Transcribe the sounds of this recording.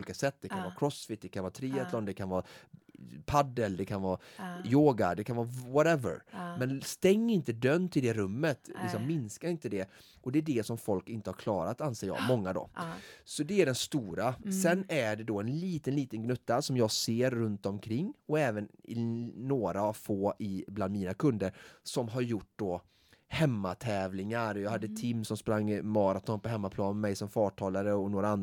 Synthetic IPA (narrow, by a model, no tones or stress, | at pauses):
lɪkasɛt̪ːd̪ɛkʰanvɑːkʰɾɔsfɪt̪̚d̪ɛkʰanvɑːt̪ʰɾiːat̪ʰlɔnd̪ɛkʰanvɑː | pʰad̪ːəld̪ɛkʰanvɑːjoːɡa̰d̪ɛkʰanvɑːvɔɾɛvə̰ɾmɛnst̪ɛŋːɪnt̪əd̪œnːt̪ʰɪld̪ɛɾɵmːət̪lɪksɔmːɪnskaɾɪnt̪əd̪ɛ | ʔɔd̪ɛːɖɛsɔmfɔlkɪnt̪əhaɾkʰlɑ̰ːɾat̪anseːɾjɑ̰ːmɔŋːad̪ɔ̰sɔd̪ɛæɖɛnst̪uːɾasɛnːæɖɛd̪ɔɛnliːt̪ənliːt̪ənɡnɵt̪ːasɔmjɑːɡseːɾːɵnt̪ɔmkʰɾɪŋːɔɛːvənɪːoːɾaːvfoːʔɪbland̪miːnakʰɵnd̪əɾsɔmɦaɾjʊʈ̚ːd̪̥ɔ | hɛmːat̪ʰɛːvlɪŋaɾjɑːhad̪ːət̪ʰɪmːsɔmspɾaŋːmɑːɾat̪ʰɔnpɔɦɛmːapʰlɑːnɛmɛjsɔmfɑːʈʰɑːlaɾəɔnoːɾaan